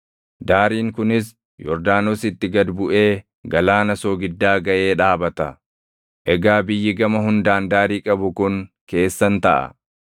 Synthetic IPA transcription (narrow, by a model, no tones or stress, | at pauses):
d̪aːɾiːŋkʊnɪs | jɔɾd̪aːnoːsɪt̪ːɪɡɐd̪bʊʔe̞ː | ɡɐlaːnɐsoːɡɪd̪ːaːɡɐʔe̞ːᶑaːbɐt̪ɐ | ʔɛɡaːbɪjːɪɡɐmɐɦʊnd̪aːnd̪aːɾiːkʼɐbʊkʊŋke̞ːsːɐnt̪ɐʔɐ̰